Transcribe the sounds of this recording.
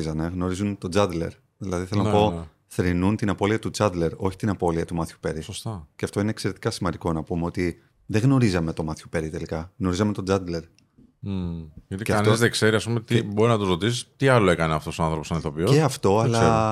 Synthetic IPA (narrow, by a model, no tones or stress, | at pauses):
izɐne̞ɣno̞ɾizunt̪o̞d͡zɐd̪le̞̰ɾ | ðilɐðiθelonɐpo̞ | θɾinunt̪inɐpo̞liɐt̪ud͡zɐd̪le̞ɾo̞çi̥t̪inɐpo̞liɐt̪umɐθçu̥pe̞ɾisost̪ɐceɐft̪o̞ineːkse̞ɾe̞t̪ikɐsimɐnd̪iko̞nɐpumeo̞t̪i | ðeɣno̞ɾizɐme̞t̪o̞mɐθçupe̞ɾit̪e̞likɐɣno̞ɾizɐme̞t̪o̞d͡zɐd̪le̞ɾ̩ | ʝɐt̪ieɐɐfnoizðekse̞ɾiɐspumet̪ibo̞ɾinɐt̪uzɾot̪̬isi̥t̪iɐloe̞kɐneɐft̪o̞soɐnθɾo̞posɐniθopieɐft̪o̞ɐlɐe